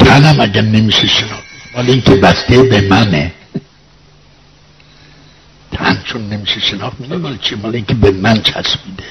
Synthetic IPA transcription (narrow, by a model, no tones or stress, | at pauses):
t̪ʰænæmæɟæɾnemiːʃeʃenɒːχt̪̚mimɒːleinkʲʰebæst̪ebemæne | t̪ʰæ̰nt͡ʃʰonːemiːʃeʃenɒχt̪mid̪emɒːlet͡ʃʰimɒːleiːncʰebemænt͡ʃʰæ̰smiːd̪e